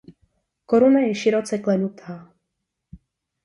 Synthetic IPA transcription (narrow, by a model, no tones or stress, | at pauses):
ko̞ɾunajɛʃɪɾo̞t͡sɛklɛnut̪ʰaː